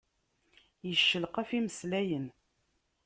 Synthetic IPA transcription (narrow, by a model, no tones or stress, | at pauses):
jəʃːəlqæfiməslæjən